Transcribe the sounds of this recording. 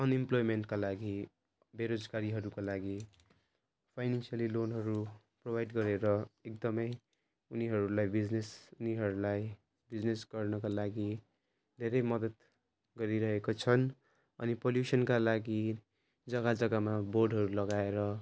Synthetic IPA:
ʌnimplojmenʈkalaɡi | beɾod͡zɡaɾiɦʌɾukolaɡi | pʰajnansijalilonɦʌɾu | probajɖɡʌɾeɾʌek̚d̪ʌmʌj | uniɦʌɾulajbid͡znesuniɦʌɾulaj | bid͡znesɡ̥ʌrnʌkalaɡi | d̪ʱeɾʌjmʌd̪ʌt̪ | ɡʌɾiɾʌɦekot͡sʰʌn | ʌnipoljusʌnkalaɡi | d͡zʌɡad͡zʌɡamaborɖɦʌɾulʌɡaeɾʌ

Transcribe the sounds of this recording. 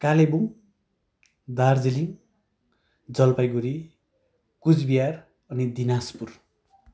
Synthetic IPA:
kalebuŋ | d̪ard͡ziliŋ | d͡zʌlpajɡuɾi | kud͡zbijar | ʌnid̪inaspur

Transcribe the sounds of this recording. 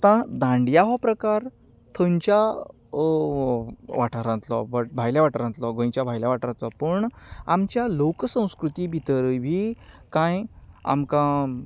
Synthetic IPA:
t̪ãd̪ãɳɖjaɦɔpɾəkaɾt̪ʰəɲt͡ɕa | ʋaʈʰəɾãnt̪lɔ̰bəʈbʱajljãʋaʈəɾãnt̪lɔɡõj̃t͡ɕjabʱajljaʋaʈʰəɾãnt̪lɔpəɳamt͡ɕjaloksə̃w̃skɾut̪iːbʱit̪əɾəjʋʱiː | kãja̰mkã

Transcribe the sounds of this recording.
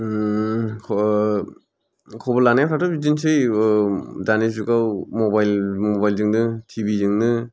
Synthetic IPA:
kʰ | kʰɔbɔlanajkʰatʰɔizinsɯj | daniszukawmɔbajlmɔbajlzɯŋnɯtʰibizɯŋnɯ

